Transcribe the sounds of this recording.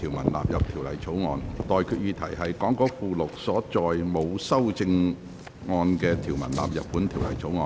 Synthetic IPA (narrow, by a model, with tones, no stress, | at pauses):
tʰiː˨˩wmɐ̰˨˩nla̰ː˨p̚jɐ˨p̚t̪ʰi˨˩wlɐ˨˩jt͡sʰo˨˥wŋɔː˨˧nt̪ɔː˨jkʰyː˧t̚jyː˧t̪ʰɐ˨˩jɦɐ˨jkɔː˨˥ŋkɔː˨˥fuː˨˧lʊ˨k̚sɔː˨˥t͡sɔː˨jmo˨˧wsɐ˥wt͡sɪ˧ŋ | ŋɔː˧nkɛː˧t̪ʰiː˨˩wmɐ˨˩nla̰ː˨p̚jɐ˨t̚pːuː˨˥nt̪ʰi˨˩wlɐ̰˨˩jt͡sʰo˨˥wŋɔː˨˧˨n